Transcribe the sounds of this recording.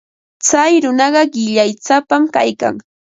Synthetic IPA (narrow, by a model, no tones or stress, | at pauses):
t͡sajɾʊnɑɢɑɢɪʎajt͡sapamkajka̰ŋ